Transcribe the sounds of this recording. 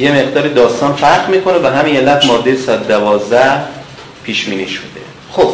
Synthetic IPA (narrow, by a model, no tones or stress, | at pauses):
jeme̞ʁd̪ɒːɾid̪ɒːst̪ɒːnfæɾɢmiːkʰonevæɦæmiːnelæfmɒːd̪ːejesɒæt̪d̪ævɒːzd̪æh | pʰiːʃbiːniːʃod̪̥e̞̰ | xob̥